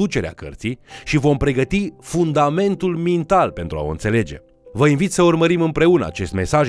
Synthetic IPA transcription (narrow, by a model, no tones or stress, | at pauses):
ut͡ʃe̞ɾea̰kə̰rt̪sijʃivo̞mpɾe̞ɡət̪ifund̪ame̞nt̪ulmint̪alpe̞nt̪ɾua̰oɨ̰nt̪se̞le̞d͡ʒe̞̰ | vəinvit̪səurməɾimɨmpɾe̞unəa̰t͡ʃe̞st̪me̞saʒ